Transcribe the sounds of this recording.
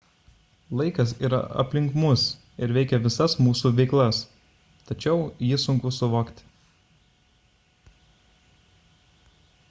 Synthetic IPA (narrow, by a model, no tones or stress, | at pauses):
lˠɐɪkɐsiːɾɐ̰ɐ̰pʲlʲɪŋkmʊs | ɪɾʋʲɛɪkʲɛʋʲɪsɐsmuːsuːʋʲɛɪklˠɐs | t̪ɐt͡ʃʲɛʊjɪsʊŋkʊsʊʋoːkt̪ʲ